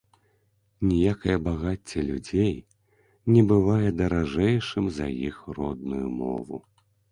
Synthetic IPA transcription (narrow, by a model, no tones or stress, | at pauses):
nʲijakɐjɐbaɣat͡sʲːɐlʲud͡zʲej | nʲɛbɨvajɛd̪ɐɾaʐɛjʂɨmzɐ̰jixrɔd̪nujumɔ̰vṵ